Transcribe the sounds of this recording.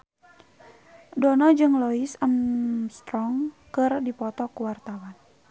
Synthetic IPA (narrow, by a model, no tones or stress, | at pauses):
dɔnɔd͡ʒɨŋlɔisəmst̪ɾɔŋ | kɨrdipɔt̪ɔkuwart̪awan